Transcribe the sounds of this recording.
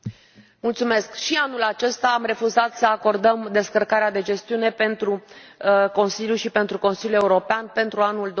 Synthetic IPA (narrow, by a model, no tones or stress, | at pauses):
mult̪sume̞skʃianulat͡ʃe̞st̪aːmre̞fuzat̪səako̞rd̪əmd̪e̞skərkaɾead̪e̞d͡ʒe̞st̪iune̞pe̞nt̪ɾu | ko̞nsiljuʃipe̞nt̪ɾuko̞nsiljue̞uɾo̞peanpe̞nt̪ɾuanuld̪